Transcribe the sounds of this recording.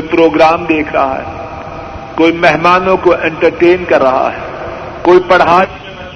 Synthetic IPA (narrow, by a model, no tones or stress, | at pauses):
pɾoːɡɾaːmd̪eːkʰɾɐ̰ɦa̰ɦɛ̰ː | koːimɛɦmaːnõkoʔẽɳʈəɾʈeːnkɐɾːɐɦa̰ɦɛ̰ | koːipɐɽɦaː